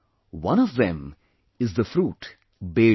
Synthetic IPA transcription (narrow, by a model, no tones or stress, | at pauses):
wʌ̃nɔʋd̪ɛ̃m | ɪzd̪əfɾuːʈ | beː